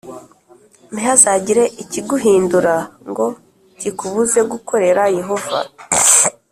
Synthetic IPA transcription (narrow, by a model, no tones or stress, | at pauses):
niɦazaːɟiɾe̞ʔiciɡuɦiːnduɾaŋɡo̞ | cikuβuze̞ɡuko̞ɾe̞ɾaje̞ɦo̞va̰